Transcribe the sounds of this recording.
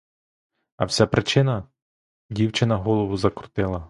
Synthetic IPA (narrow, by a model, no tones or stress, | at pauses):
ɐwsʲapɾɪt͡ʃɪnɐ | dʲiwt͡ʃɪnɐɦɔlˠɔʋʊzɐkɾʊ̥t̪ɪlˠɐ